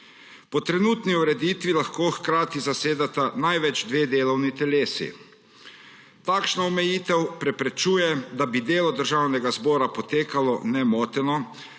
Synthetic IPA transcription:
pɔt̪ɾɛnuːt̪niuɾɛd̪iːt̪ʋilaxkoːxkɾaːt̪izaseːd̪at̪anajʋɛd͡ʒd̪ʋeːd̪eːlɔwnit̪ɛleːsḭ | t̪aːkʃnɔɔmɛjiːt̪ɛwpɾɛpɾɛt͡ʃuːjɛd̪abid̪eːlɔd̪əɾʒawnɛɡazbɔːɾapɔt̪eːkalɔnɛmɔːt̪ɛnɔ

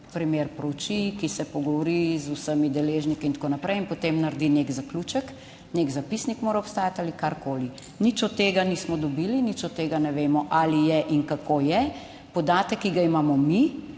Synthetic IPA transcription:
pɾimeːɾpɾɔwt͡ʃikisɛpɔɡɔʋɔɾizusəmid̪ɛleːʒnikiint̪konapɾɛjinpot̪emnaɾd̪inekzaklut͡ʃək | neɡzapisnikmoːɾaɔpst̪aːjat̪alikaɾkoːli | nit͡ʃɔt̪ːeːɡaniːsmɔd̪ɔbilinit͡ʃɔt̪ːeːɡanɛʋeːmɔʔalijɛʔiŋkakʰoːjɛ | pɔd̪aːt̪əkːiɡaimaːmɔmi

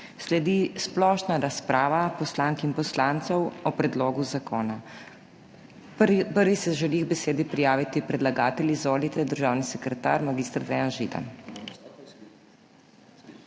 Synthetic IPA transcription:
slɛd̪isplɔːʃnaɾaspɾʔaːʋapɔslaːŋkinpɔslaːnt̪sɔwɔpɾɛd̪loːɡuzakoːna | pəɾʋisɛʒɛliɣbɛseːd̪ipɾijaːʋit̪ipɾɛd̪laɡaːt̪ɛljizʋoːlit̪ɛd̪əɾʒaːwnisɛkɾɛt̪a̰ːɾmaɡiːst̪ɾd̪ʋɛjanʒḭd̪a̰

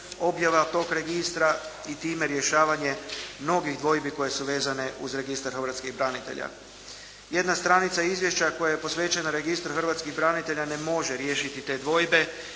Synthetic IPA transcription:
o̞bjaʋat̪o̞ːkɾe̞ɡist̪ɾa | it̪iːme̞ɾje̞ʃaːʋaɲe̞mno̞ɡiɣd̪ʋo̞jbiko̞je̞suʋe̞ːzane̞ʔuzɾe̞ɡist̪aɾxɾʋat̪skiɣbɾanit̪e̞̰ʎa̰ | je̞d̪nast̪ɾanit̪saizʋje̞ʃt͡ɕako̞jajepo̞sʋe̞ːt͡ɕe̞naɾe̞ɡist̪ɾxr̩ʋat̪skiɣbɾanit̪e̞ʎane̞mo̞ʒeɾje̞ːʃit̪it̪e̞ːd̪ʋo̞jbe̞

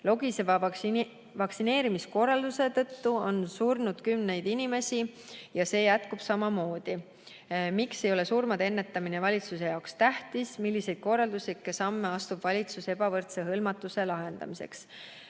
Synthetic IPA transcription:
lo̞ɡisevɑ | vɑksine̞ːɾimisko̞rːɑld̪̥use̞t̪ɤt̪ːuo̞nsurnud̪̥kymne̞jd̪inime̞sʲijɑse̞ːjæt̪kub̥sɑmɑmo̞ːd̪̥i | mikse̞jo̞le̞surmɑd̪eenːe̞t̪ːˑɑminevɑlʲit̪suse̞jɑokst̪æht̪ismilːise̞jd̪̥̚ko̞rːɑld̪uslikːesɑmːe̞ɑst̪ubvɑlʲit̪suse̞bɑvɤrt̪se̞ɦɤlmɑt̪ːˑuse̞lɑɦe̞nd̪̥ɑ̰mise̞̰ks

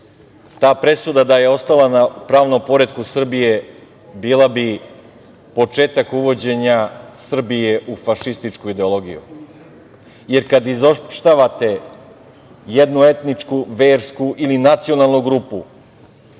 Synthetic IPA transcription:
t̪aːpɾe̞sud̪ad̪aje̞o̞st̪alanapɾaːʋnompo̞ɾed̪kusr̩bije̞ | biːlˠabi | po̞t͡ʂe̞ːt̪akuʋo̞d͡ʑe̞ɲasr̩bije̞ʔufaʃist̪it͡ʂkuid̪e̞olˠo̞ɡijṵ | je̞ɾkad̪izopʃt̪aʋat̪e̞ | jed̪nue̞t̪nit͡ʂkuʋeːɾskuʔilinat̪sio̞nalˠnuɡɾupu

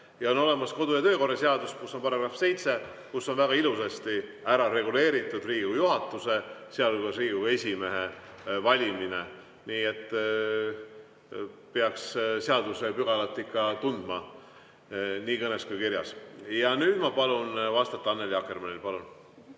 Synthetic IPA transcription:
jɑo̞nːo̞le̞mɑsko̞d̪̥ujɑt̪ø̞ːko̞rːɑseɑd̪uskusːo̞npɑɾɑɡ̥rɑfse̞jt̪se̞ | kusːo̞nvæɡ̥ɑilusest̪i | æɾɑɾe̞ɡule̞ːɾit̪ːˑud̪riːujuɦɑt̪ːˑuse̞seɑluɡɑsriːue̞sʲime̞ɦe | vɑlʲimine | niːe̞t̪ːˑ | peɑksseɑd̪use̞pyɡ̥ɑlɑt̪ːˑikːɑt̪und̪mɑ | niːkɤneskujkiɾjɑ̰sjɑnyːd̪̥mɑpɑlunvɑst̪ɑt̪ːˑɑɑnːe̞ljɑke̞rmɑnilpɑlun

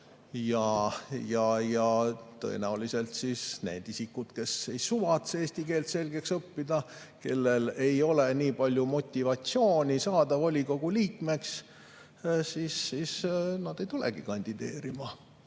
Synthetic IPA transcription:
jɑjɑjɑt̪ɤ̰e̞̰næulise̞lt̪sisne̞̰ːd̪̥isikːud̪̥ke̞se̞jsuvɑt̪seːsʲt̪ike̞ːlt̪se̞lɡe̞ksɤpːid̪ɑ | ke̞lːe̞le̞jo̞le̞niːpɑlʲjumo̞t̪ʲːivɑt̪sio̞ːnʲisɑːd̪ɑvolʲiko̞ɡ̥uliːkme̞ks | sisːisnɑd̪e̞jt̪ulḛɡ̥ikɑnʲd̪̥id̪eːɾimɑ

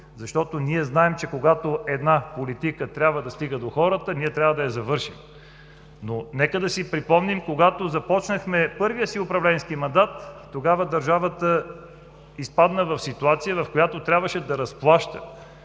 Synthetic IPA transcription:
zɐʃt̪ɔt̪oniɛznaɛmt͡ʃɛkoɡat̪oʔɛd̪napolit̪ikət̪ɾʲabvəd̪ɐst̪iɡəd̪oxɔɾət̪əniɛt̪ɾʲabvəd̪ɐjɐzɐvɤɾʃḭm | nonɛkəd̪ɐsipɾipɔmnimkoɡat̪ozɐpɔt͡ʃnəxmɛpɤɾvijəsiʊpɾɐvlɛnskimɐnd̪at̪ː | oɡavəd̪ɐɾʒavət̪ə | ispad̪nəvɐfsit̪uat̪sijəvɐfkojat̪ot̪ɾʲabvəʃɛd̪ɐɾɐsplˠaʃt̪ə̰

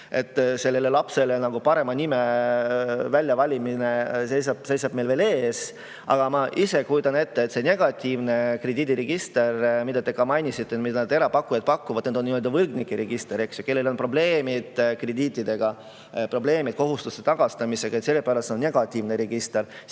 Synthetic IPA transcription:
e̞̰t̪ːˑse̞lːe̞le̞lɑpse̞lenɑɡ̥upɑɾe̞mɑnime | vælʲːjɑvɑlʲimine̞se̞jsɑb̥se̞jsɑb̥me̞jlve̞ːle̞ːs | ʔɑ̰ɡ̥ɑmɑʔise̞kujud̪ɑne̞t̪ːeːt̪ːse̞ne̞ɡ̥ɑt̪ʲːiːvne̞kre̞d̪ʲiːd̪ʲiɾeɡ̥ist̪e̞rmid̪̥ɑt̪e̞kɑmɑjnʲisit̪ːemid̪ɑnɑd̪e̞ɾɑpɑkːujɑd̪̚pɑkːuvɑd̪̥̚ned̪o̞nːimøld̪ɑvɤlɡnikːˑeɾeɡ̥ist̪eɾe̞ksjo̥ke̞lːe̞lo̞npro̞ble̞ːmid̪̥kre̞d̪iːt̪ʲːˑid̪̥e̞ɡ̥ɑ | pro̞b̥le̞ːmid̪̥ko̞ɦust̪ust̪e̞̥t̪ɑɡ̥ɑst̪ɑmise̞ɡ̥ɑet̪se̞lːepæːɾɑst̪senːne̞ɡ̥ɑt̪ʲːˑivneɾeɡ̥ist̪e̞ɾ

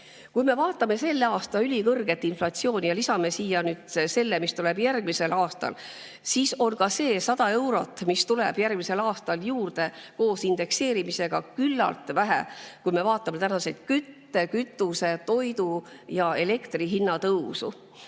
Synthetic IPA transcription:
kujme̞vɑːt̪ːˑɑme̞se̞lːeɑːst̪ɑylʲikɤrɡ̥e̞t̪ːˑinflɑt̪sio̞ːnʲijɑlisɑme̞siːjɑnyːd̪̥se̞lːemist̪ule̞b̥jærɡ̥mise̞lɑːst̪ɑ̰l | siːso̞nkɑse̞ːsɑd̪ɑe̞wɾo̞t̪ːˑmist̪uleb̥jærɡ̥mise̞lɑːst̪ɑljuːrd̪̥e̞ko̞ːsind̪e̞kse̞ːɾimise̞ɡ̥ɑkylːɑ̰lt̪ˑvæɦḛkujme̞vɑːt̪ːˑɑme̞t̪ænɑse̞t̪kyt̪ːe̞kyt̪ːˑuse̞t̪o̞jd̪u | jɑe̞le̞kt̪riɦinːɑt̪ɤwsṵ

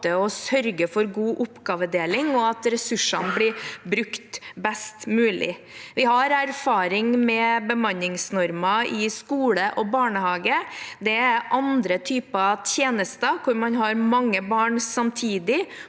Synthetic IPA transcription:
əɔsœɾɡəfɔɾɡuːʔʊpːɡɑːʋəd̪eːlɪŋɔɑt̪ɾɛsʉʂɑnblɪbɾʉkt̪bɛst̪mʉːlɪ̰ | ʋɪhɑɾæɾfɑːɾɪŋmɛbəmɑnɪŋsnɔɾmɑɪskuːləʔɔbɑːɳəhɑːɡəd̪ɛæʔɑnd̪ɾət̪ʰyːpət̪ʰjeːnəst̪əkʰʊɾmɑnɦɑɾmɑŋːəbɑːɳsɑmt̪ʰiːd̪ɪ

